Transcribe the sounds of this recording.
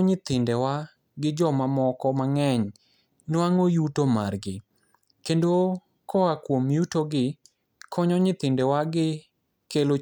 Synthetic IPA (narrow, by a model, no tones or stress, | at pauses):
ɲɪt̪ɪndɛwa | ɡɪd͡ʒɔmamɔkɔmaŋɛɲ | naŋojutomarɡɪ | kendo | kɔakwomjutoɡɪ | kʰɔɲɔɲɪt̪ɪndɛwaɡɪ | kelo